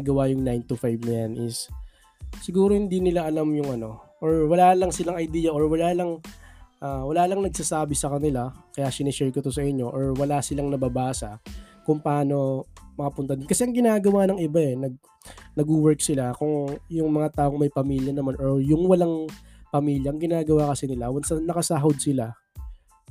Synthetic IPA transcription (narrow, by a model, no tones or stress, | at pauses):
ɡɐwajʊŋnajnt̪ʊfajvnɐjanʔɪsː | ɪɡuːɾo̞hɪnd̪iːnɪlaʔɐlamjʊŋʔɐno̞ʔoɹwɐlaːlɐŋsɪlaŋɐjd̪iːjɐʔoɹwɐlaːlɐŋʔawɐlaːlɐŋnɐɡ̚sasaːbɪsɐkɐnɪlakɐjaːsɪnɪʃɛɹkot̪osɐʔɪɲːo̞ʔoɹwɐlasɪlaŋnɐbɐbaːsɐ | kʊŋpɐʔaːno̞mɐkɐpʊnt̪ɐd̪ɪnkɐsɛʔɐŋɡɪnaːɡɐwanɐŋʔɪbaɛnɐɡ̚ | nɐɡʊwɛɹksɪlakʊŋjʊŋmɐŋat̪aːʔoŋmɐjpɐmiːljɐnɐmanʔoɹjʊŋwɐlaŋpɐmiːljɐʔɐŋɡɪnaːɡɐwakɐsɪnɪlawɐnsɐnːɐkɐsaːɦod̪̚sɪla